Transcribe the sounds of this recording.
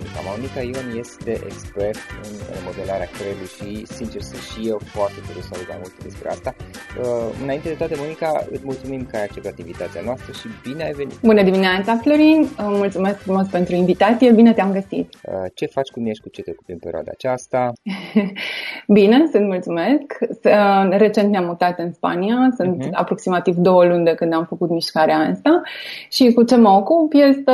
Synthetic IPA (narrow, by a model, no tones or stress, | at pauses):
mnika̰monikaionje̞st̪e̞ʔḛkspe̞rt̪ɨ̰nmo̞d̪e̞laɾeakɾelujʃisint͡ʃersɨnt̪ʃije̞wfoart̪e̞fuɾusəalut̪̚ma̰mult̪ed̪e̞spɾḛa̰st̪aəɨ̰naint̪e̞d̪et̪oat̪əmonikaɨ̰t̪sʲmult̪sumimkəajak̚t͡ʃe̞p̚t̪at̪invit̪at̪sianoast̪ɾəʃib̥ineajve̞nḭt̪bunəd̪imineat̪saflo̞ɾinəmult̪sume̞skfɾumo̞spe̞nt̪ɾuinvit̪at̪sije̞bine̞t̪eamɡəsḭt̪ət͡ʃe̞fat͡ʃʲkumineʃkut͡ʃet̪eokupimpeɾḭa̰d̪a̰ːt͡ʃast̪a | bine̞sɨnt̪mult̪sume̞sk | re̞t͡ʃe̞nt̪neamːut̪at̪ɨnspa̰niasɨnt̪a̰pɾo̞ksimat̪ivd̪o̞wəlund̪e̞kɨnd̪amfəkut̪miʃkaɾeast̪aʃikut͡ʃemokupjest̪ə